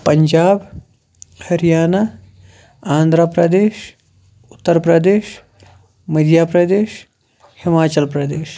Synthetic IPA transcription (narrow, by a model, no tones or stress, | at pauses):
pɐɲd͡ʒaːb | hɐɾijaːna | aːnd̪ʱɾapɾɐd̪eːʃ | ʊt̪ːəɾpɾɐd̪eːʃ | mɐd̪ʱjaːpɾɐd̪eːʃ | hɪmaːt͡ʃɐlpɾɐd̪eːʃ